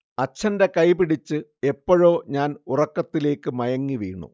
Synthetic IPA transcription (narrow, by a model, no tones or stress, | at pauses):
ɐt͡ɕʰːɐnde̞kɐjpiɽit͡ɕːɨe̞pːoɻo̞ːɲaːnurɐkːɐt̪ːile̞ːkːɨmɐjɐŋːiʋḭːɳṵ